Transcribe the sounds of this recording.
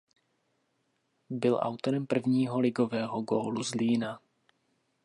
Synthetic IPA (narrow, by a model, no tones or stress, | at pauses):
bɪlʔa̰wt̪o̞ɾɛmpr̩vɲiːɦolɪɡo̞vɛːɦoɡoːluzliːna